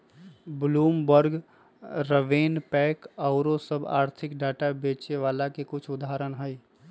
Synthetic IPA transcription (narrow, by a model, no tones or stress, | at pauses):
bluːmbəɾɡ | ɾəʋeːnpɛːkaːʊɾõsəba̰ːɾt̪ʰɪkɖaːʈabeːt͡ʃeʋaːlakekʊt͡ʃʰʊd̪aɦɾənɦəi